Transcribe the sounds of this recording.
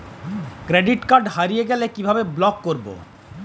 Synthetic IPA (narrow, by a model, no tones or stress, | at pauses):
kɾeɖiʈkaɾɖɦaɾijeɡɛlekibʱabeblɔkːoɾbo̰